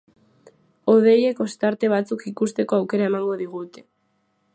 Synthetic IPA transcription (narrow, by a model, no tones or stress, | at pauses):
o̞ð̞e̞je̞ko̞st̪aɾt̪e̞β̞at͡sukikust̪e̞ko̞awke̞ɾae̞maŋɡo̞ðiɣ̞ut̪e̞̥